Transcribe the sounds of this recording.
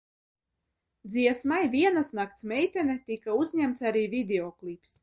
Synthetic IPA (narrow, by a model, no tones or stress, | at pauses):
d̪ziɛsmajvʲiɛnasnak̚t̪smʲɛjt̪ʲɛnɛt̪ikauzʲɲæmt̪saɾiːvʲid̪ʲeɔklˠips